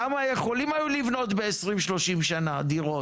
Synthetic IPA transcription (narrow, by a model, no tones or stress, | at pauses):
amajeχo̞limajulivno̞t̪beesʁimʃlo̞ʃimʃanad̪iʁo